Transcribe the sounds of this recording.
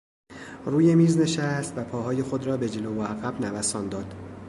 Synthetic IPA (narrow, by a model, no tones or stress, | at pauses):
ruːje̞miːzne̞ʃæst̪væpʰɒːɦɒːje̞xo̞d̪ɾɒːbe̞d͡ʒe̞lovoæɣæbnævæsɒːnd̪ɒːd̪̥